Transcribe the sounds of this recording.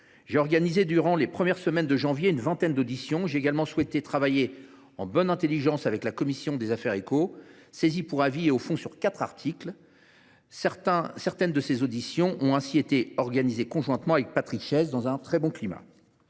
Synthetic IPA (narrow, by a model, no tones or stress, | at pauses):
ʒeɔʁɡanized̪yʁɑ̃lepχəmjɛʁsəmɛnd̪əʒɑ̃vjeynvɛ̃t̪ɛnd̪od̪isjɔ̃ʒeeɡalmɑ̃swɛt̪et̪χavaje | ɑ̰̃bɔnɛ̃t̪eliʒɑ̃savɛklakɔmisjɔ̃d̪ezafɛʁekosezipuʁavieofɔ̃syʁkat̪χaʁt̪ʰikl | sɛʁt̪ɛ̃sɛʁt̪ɛnd̪əsezod̪isjɔ̃ʔɔ̃ɛ̃siet̪eɔʁɡanizekɔ̃ʒwɛ̃t̪mɑ̃avɛk̚pat̪χikʃɛzd̪ɑ̃zɛ̃t̪χɛbɔ̃klima̰